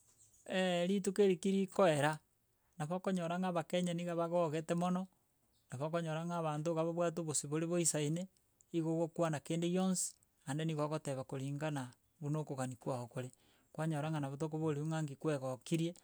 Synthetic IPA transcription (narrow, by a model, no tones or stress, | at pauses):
eɾitukeɾikiɾikoeɾa | naβokoɲoɾaŋaβakeɲaniɣaβaɣoɣetemonɔ | naβokoɲoɾaŋaβaːntoɣaβoβwat̬oβosiβoɾeβoisaine | iɣoɣokwanakeːndejonsi̥ | andeniɣaɣoteβakoɾiːŋɡana | βunokoɣanikwahokoɾe | kwaɲoɾaŋanaβot̬okoβoɾiuŋaːŋɡikweɣokiɾje